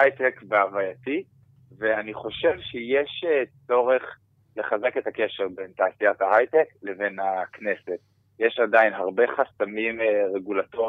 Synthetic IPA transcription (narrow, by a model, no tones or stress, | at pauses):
ajtekveavajati | veaniχo̞ʃe̞vʃejeʃet͡so̞ʁe̞χ | le̞χaze̞ke̞take̞ʃeʁbentaːsijathaɦajtekle̞ve̞nhakne̞set | jeʃadainɦaʁbe̞χastamimʁe̞ɡulato